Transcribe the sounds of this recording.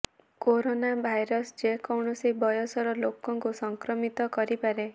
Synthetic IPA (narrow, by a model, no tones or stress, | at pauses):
koɾonabʱajɾɔsd͡ʒekɔwɳɔsibɔjɔsɔɾɔlokɔŋkusɔŋkɾɔmit̪ɔkɔɾipaɾe